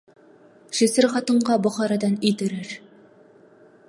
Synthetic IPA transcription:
ʃĭsɘɾχɑt̪ɤ̆ɴɢɑbɒ̆χɑɾɑd̪ɑnit̪ɘ̆ɾɘɾ

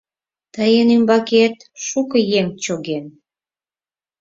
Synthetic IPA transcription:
t̪əjənymbɑket̪ʃukəjemt͡ɕoɣen

